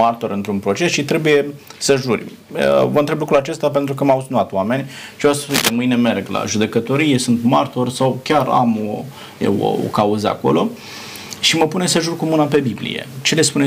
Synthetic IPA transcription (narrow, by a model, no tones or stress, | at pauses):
art̪o̞ɾɨnt̪ɾunpɾo̞t͡ʃe̞sʃit̪ɾe̞buje̞səʒurʲ | əvənt̪ɾeblukɾuat͡ʃe̞st̪ap̬ent̪ɾukəmausunat̪wame̞nʲt͡ʃevasəuijp̪emɨjne̞me̞rɡla̰ʒud̪e̞kət̪o̞ɾije̞sunt̪mart̪o̞rʲsawkʲaɾa̰mo | jḛo̰o̰kauzəa̰ko̞̰lo̞ | ʃiməpune̞səʒurkomunape̞biblḭje̞̰t͡ʃe̞le̞spune